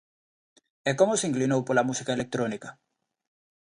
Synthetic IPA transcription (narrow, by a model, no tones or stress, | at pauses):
ɛkomoseiŋklinowpolamusikaelek̚t̪ɾonika